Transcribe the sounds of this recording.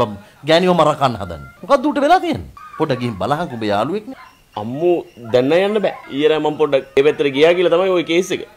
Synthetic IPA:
am | ɡæːniʋɐmaɾakanːəɦa̰d̪a̰nːəmokad̪ːuːʈəʋelaːt̪ijḛnːəpoɖːaɡiɦimba̰laɦaŋkumbeja̰ːluʋek̚ne | ɐ̰mːud̪ɛnːajanːəbɛːiːjəɾamɐmpoɖːɐeʋet̪ːəɾəɡijaːɡilɐt̪amajojekeːsekə

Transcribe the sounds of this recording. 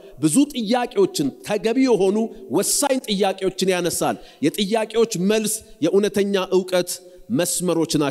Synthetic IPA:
bɨzut̪ʼɨjːakʼe̞wo̞t͡ʃːɪnt̪ʰəɡəβijɛho̞nuwɔsːajnt̪ʼɨjːakʼe̞wo̞t͡ʃːɪnjanəsa̰ljɛt̪ʼɨjːakʼe̞wo̞t͡ʃːməlsjɛʔunət̪ʰəɲːaʔɨwkʼət̪ | məsməɾo̞t͡ʃːna

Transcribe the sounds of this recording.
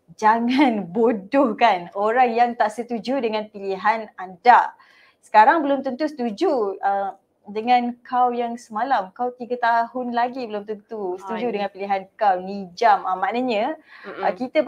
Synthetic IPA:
d͡ʒaŋanbodʊhkanoɾaŋjaŋt̪aʔsət̪ud͡ʒudəŋãnpiliɦanadaʔ | sə̥kaɾaŋbəlʊmt̪ənt̪usə̥t̪ud͡ʒuə | dəŋãnkʰawjaŋsəmalamkawt̪iɡət̪aɦʊnlaɡibəlʊmt̪ənt̪usə̥t̪ud͡ʒudəŋãnpiliɦankawnid͡ʒaməmːanəɲə̃əkit̪ə

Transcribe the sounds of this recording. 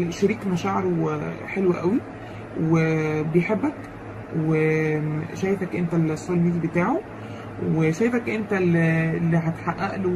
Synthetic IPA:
ʃæɾiːkmæʃæʕɾoħelwæʔæwi | webejħebːæk | we | ʃæːjefækʔent̪ælsˤːolmiːd̪ibet̪aːʕo | weʃæːjefækʔent̪ællːiɦæt̪ħaʔːæʔlo

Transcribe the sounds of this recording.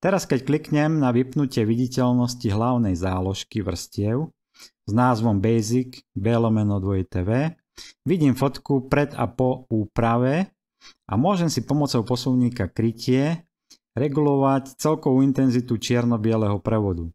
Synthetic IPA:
t̪ɛɾaskɛcklikɲɛmnaʋipnucɪɛʋiɟicɛlnɔsciɦlaʊnɛjzaːlɔʃkiʋr̩scɪɛʊ | znaːzʋɔmbɛjziɡbɛlɔmɛnɔd̪ʋɔit̪ɛːʋɛː | ʋiɟiːmfɔt̪kupɾɛd̪a̰pɔuːpɾaʋɛ | ʔa̰mʊɔʒɛmsipɔmɔt͡sɔʊpɔsuʊɲiːkakɾicɪɛ | ɾɛɡulɔʋact͡sɛlkɔʋuint̪ɛnzit̪ut͡ʃɪɛɾnɔbɪɛlɛɦɔpɾɛʋɔd̪u

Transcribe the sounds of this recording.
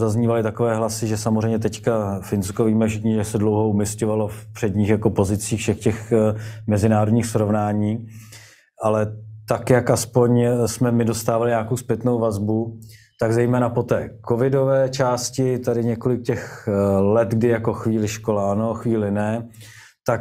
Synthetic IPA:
zazɲiːvalɪt̪ako̞vɛːɦlasɪʒɛsamozr̝ɛjmɲɛt̪ɛckafɪnskoviːmɛfʃɪkɲɛʒɛsɛdlo̞wɦo̞umɪscovalo̞fpr̥ɛdɲiːxjako̞po̞zɪt͡siːxfʃɛxcɛxmɛzɪnaːɾodɲiːxsɾo̞vnaːɲiː | ʔalɛt̪akjakʔaspo̞ɲsmɛmɪdo̞st̪aːvalɪɲaːkowspjɛt̪no̞wvazbu | t̪aɡzɛjmɛːnapot̪ɛːkovɪdovɛːt͡ʃaːscɪt̪adɪɲɛko̞lɪkcɛxlɛt̪ɡdɪjako̞xviːlɪʃko̞laːnoxviːlɪnɛ | t̪ak

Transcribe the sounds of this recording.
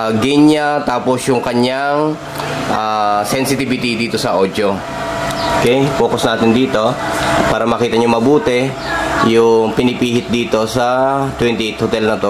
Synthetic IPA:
ɡiɲat̪aːposjʊŋkɐɲaŋ | ʔasɛnsɪt̪ibɪt̪id̪iːt̪o̞sɐʔoːd͡ʒ̪jo | oʔokɛjpo̞ːkosnaːt̪ɪnd̪iːt̪o̞paːɾɐmɐkiːt̪ɐɲoŋmɐbuːt̪ɛ | jʊŋpɪnɪpiːhɪt̪̚d̪iːt̪o̞sɐt̪wɛnt̪iʔet̪̚hot̪ɛlnɐt̪o

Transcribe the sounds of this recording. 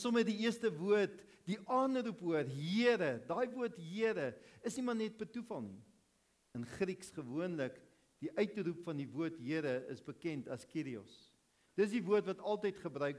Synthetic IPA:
sɔmədiiəstəvuərt | diʔɑːnrupɦuərɦiəɾədɑːjvuərtɦiəɾəəsnimɐrnɛt̚pətufɐlˠni | ənχɾiksχəvuənlək | d̥iʔœɥtrupfɐndivuərtɦiəɾəəsbəkɛntɐskiɾiɔ̰s | d̥ətsdivuərtvɐtɐlˠtəjtχəbrœɥk

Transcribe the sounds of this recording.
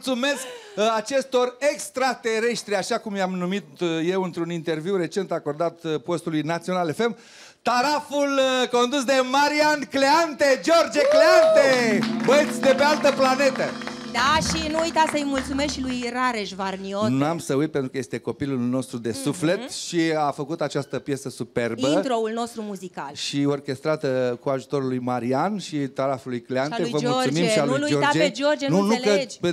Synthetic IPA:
t̪sume̞sk | at͡ʃe̞st̪o̞re̞kst̪ɾat̪e̞ɾe̞ʃt̪ɾiaʃakumjamnumit̪je̞wɨnt̪ɾunint̪e̞rviwre̞t͡ʃe̞nt̪ako̞rd̪at̪po̞st̪ulujnat̪sio̞nalefe̞m | t̪aɾafulko̞nd̪usd̪e̞maɾiankleant̪ed͡ʒo̞rd͡ʒekleant̪ebət̪sʲd̪e̞pe̞alt̪əplane̞t̪ə | d̪aʃinuujt̪asəjmult̪sumesʃilujraɾeʃvarnioamsəujt̪̚pent̪ɾukəje̞st̪e̞ko̞pilulno̞st̪ɾud̪e̞sufle̞t̪ʃiafəkut̪at͡ʃast̪əpje̞səsupe̞rbiənt̪ɾoulno̞st̪ɾumuzikalʃio̞rkʲe̞st̪ɾat̪kuaʒut̪o̞ɾulujmaɾianʃit̪aɾafulujkleanevəlotssumimʃialujd͡ʒoɾad͡ʒed͡ʒord͡ʒenunuləd͡ʒ

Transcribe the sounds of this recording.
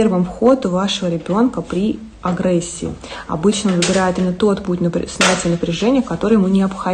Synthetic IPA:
ervəmfxo̞d̪ʊvaʂəvəɾʲɪbʲo̞nkəpɾʲi | ɐɡɾɛsʲːɪ̰ɪ̰ɐ̰bɨt͡ɕnəovɨbʲɪɾajɪt̪ɪmʲɪnət̪o̞t̪putʲnsɐjatʲɪlʲnəpɾʲɪʐɛnʲɪjəkɐt̪o̞ɾɨjɪmunʲɪɐpxɐ

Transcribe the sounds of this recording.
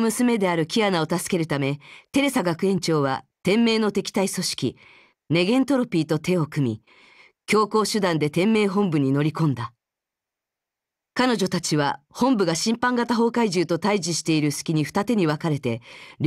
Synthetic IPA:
mɯ̟sɨme̞d̪e̞aɾɯ̟kʲianao̞t̪asɨ̥ke̞ɾɯ̟t̪ame̞t̪e̞ɾe̞saɡakɯ̟ẽ̞ɲ̟t͡ɕo̞ːβa̰t̪ẽ̞mːe̞ːno̞t̪e̞kʲi̥t̪aiso̞ɕi̥kʲḭ | ne̞ɡẽ̞nt̪o̞ɾo̞pʲiːt̪o̞t̪e̞o̞kɯ̟mʲḭ | kʲo̞ːko̞ːɕɨd̪ãnd̪e̞t̪ẽ̞mːe̞ːɦõ̞mbɯ̟ɲ̟ino̞ɾʲikõ̞nd̪a | kano̞ʑo̞t̪at͡ɕiβahõ̞mbɯ̟ɡaɕĩmpãŋɡat̪aɦo̞ːkaiʑɨːt̪o̞t̪aiʑiɕi̥t̪e̞iɾɯ̟sɨ̥kʲiɲ̟iɸɯ̥t̪at̪e̞ɲ̟iβakaɾe̞t̪e̞ɾʲ

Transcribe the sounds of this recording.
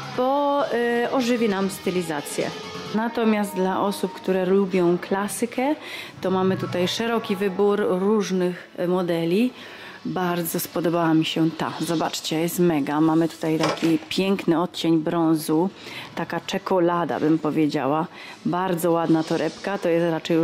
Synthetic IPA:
bɔ | ɔʐɘvʲinamst̪ɘlʲizat̪sʲjɛ̰ | nat̪ɔmʲjast̪̚d̪laʔɔsupkt̪uɾɛlubʲjɔ̃w̃klasɘkʰɛt̪ɔmamɘt̪ut̪ajʂɛɾɔkʲivɘbuɾːuʐnɘx | mɔd̪ɛlʲi | baɾd̪zɔspɔd̪ɔbawamʲiɕɛt̪a̰zɔbat͡ʂt͡ɕɛjɛst̪mɛɡamamɘt̪u̥t̪ajt̪akʲipʲjɛŋknɘɔt̪t͡ɕeɲbɾɔ̃w̃zut̪akat͡ʂɛkɔlad̪a̰bɘmpɔvʲjed͡ʑa̰wa | baɾd̪zɔwad̪nat̪ɔɾʔɛpkat̪ɔjɛst̪ɾat͡ʂɛju

